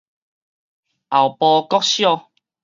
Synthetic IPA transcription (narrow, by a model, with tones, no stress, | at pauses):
a˨˩wpɔ˧kɔ˦k̚ɕjɔ˥˧